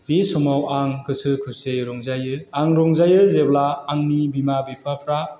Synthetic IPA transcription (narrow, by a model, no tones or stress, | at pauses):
bisɔmawaŋkʰɯsɯkʰɯseɾɔŋzajɯaŋɾɔŋzajɯzeblaːŋnibimabipʰɾapʰɾa